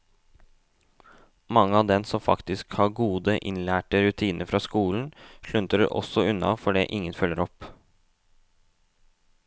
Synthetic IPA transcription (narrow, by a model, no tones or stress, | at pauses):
mɑŋːəɑːʋd̪ɛnsɔmfɑ̰kt̪ɪskhɑːɡuːd̪əʔɪnlæːʈəɾʉt̪ʰiːnʔəɾfɾɑːskuːln̩ʂɭʉnt̪əɾəʔɔ̰sɔʉnɑ̰fɔɖeːʔɪŋənfœlːəɾɔp